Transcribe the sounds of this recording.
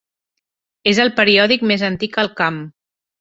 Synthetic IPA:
ezəlˠpəɾiɔðikmezənt̪ikəlˠkam

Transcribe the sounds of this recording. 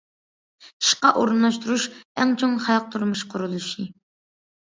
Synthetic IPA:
i̥ʃqɑʔoɾɨnlˠɑʃt̪ʰuɾuʃɛŋt͡ʃʰoŋχɑjɑq̚t̪ʰuɾmuʃqʰʊɾulˠuʃi

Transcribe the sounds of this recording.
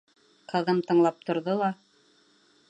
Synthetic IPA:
qɤ̆ðɤmt̪ɤ̆ɴlˠɑp̚t̪ŏɾðolˠɑ

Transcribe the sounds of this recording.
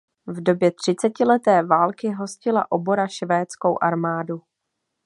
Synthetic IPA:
vdo̞bjɛt̪r̝̥ɪt͡sɛcɪlɛt̪ɛːvaːlkɪɦo̞scɪla̰ʔo̞bo̞ɾaʃvɛːt͡sko̞wʔaɾmaːdu

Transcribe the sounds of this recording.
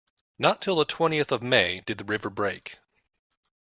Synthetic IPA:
nətʰɪlˠðətʰw̥ɛ̃ɾ̃iɨθʌvmeɪdɨd̪̚ðɨɹɪvə˞bɹeɪk

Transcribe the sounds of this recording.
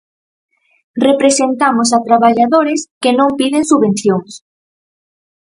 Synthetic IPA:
repɾesent̪amosat̪ɾaβaʎaðoɾeskenõmpiðeŋsuβẽnθjoŋs

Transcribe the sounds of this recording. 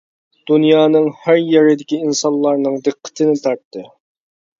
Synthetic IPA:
d̪̥unjɑːnɨŋhæɾjeɾɪd̪ɪkʲiinsɑnlˠɑɾnɨŋd̪ɨqʰːə̥t̪ʰɨnɪt̪ʰɑɾt̪ːɨ

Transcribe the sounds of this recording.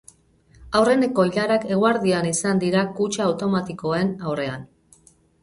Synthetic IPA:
awre̞ne̞ko̞iʎaɾake̞ɣ̞uaɾðianisand̪iɾakut͡ʃaːwt̪o̞mat̪iko̞e̞nawre̞an

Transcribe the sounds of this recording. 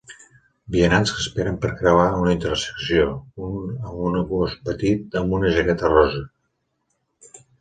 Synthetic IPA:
biənanskəspeɾəmpəɾkɾəβaunəint̪əɾsə̥ksiounəmunəɣospət̪it̪̚əmbunəʒəɣɛt̪ərɔzə

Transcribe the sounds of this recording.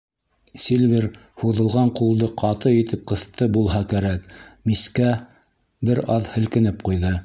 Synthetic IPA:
sʲilʲviɾhuðɤ̆lˠʁɑɴqulˠd̪ɤqɑt̪ɤit̪ɘp̚qɤ̆θt̪ɤbulˠɦɑkæɾækmiskæ | bɘɾɑðhɘ̆lkɘ̆nɘp̚qujðɤ

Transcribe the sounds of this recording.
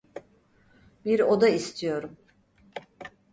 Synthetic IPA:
biɾo̞d̪aist̪ʰijo̞ɾum

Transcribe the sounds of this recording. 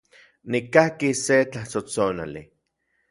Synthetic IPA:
nikahkiset͡ɬaht͡sot͡sona̰lḭ

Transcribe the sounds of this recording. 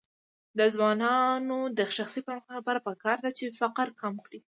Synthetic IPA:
d̪əzwɑnɑnod̪əʃaxsipanxlapɑɾapəkɑɾd̪at͡ʃefaqəɾkamkɽi

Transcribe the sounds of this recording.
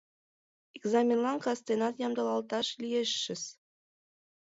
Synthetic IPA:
eɡzɑmʲenlˠɑŋkɑst̪enɑt̪jɑmd̪ɑlˠɑlˠt̪ɑʃlʲijeʃːɘ̆s

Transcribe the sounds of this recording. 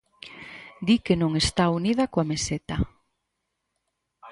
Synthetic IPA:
d̪ikenõŋest̪auniðɐkoameset̪a

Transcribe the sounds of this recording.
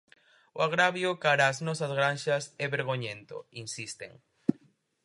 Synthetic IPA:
oaɣɾaβjʊkaɾaːznɔsɐzɣɾanʃɐsɛβeɾɣoɲẽnt̪o̰insist̪ḛŋ

